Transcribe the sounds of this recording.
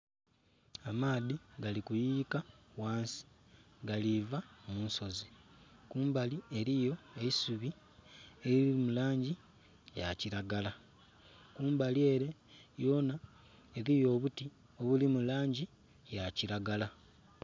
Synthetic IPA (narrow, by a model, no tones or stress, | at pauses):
amaːðiɡalikujikawaːnsi̥ | ɡalivamuːnso̞zikuːmbalie̞ɾijo̞e̞isuβi | eɾiiimulaːɲɟi | jaciɾaɡala | kuːmbalie̞ɾe̞jo̞ːna | eɾijo̞ːβuti | o̞βulimulaːɲɟi | jaciɾaɡala